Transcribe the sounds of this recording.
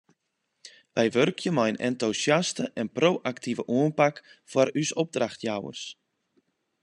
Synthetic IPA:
ʋɛjʋørkʰjəmɔjənʔɛ̰ntusjastəʔɛnproːʔaktʰivəʔuənpakfɔrysɔb̚draxtjawə̰rs

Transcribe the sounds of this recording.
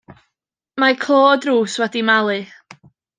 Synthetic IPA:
makʰloːdruːswɛdimalˠɨ

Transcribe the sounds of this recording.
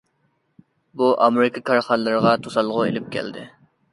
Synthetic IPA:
buʔɑ̰meɾɪkʰɑkʰɑɾχɑnlːɨɾɨʁɑt̪ʰosɑlˠʁʊḛlɪp̚kʲʰɛ̰ld̪ɪ̰

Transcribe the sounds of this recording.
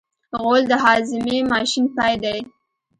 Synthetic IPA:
ɣold̪əɦɑzɪmemɑʃinpɑjd̪aj

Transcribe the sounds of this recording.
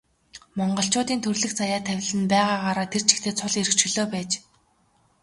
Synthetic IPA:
mɔɴɢɞ̆ɬt͡ɕʊːt̪iːnt̪ʰɵrɮɘ̆xt͡sajaːt̪ʰːæw̆ʲɮɘ̆npæːʁaːʁaːɾaːt̪ʰer̥t͡ɕʰɪ̥̆xt̪ʰeːt͡sʰʊɮeɾɘ̆kt͡ɕɵ̆ɮoːpæːt͡ɕ

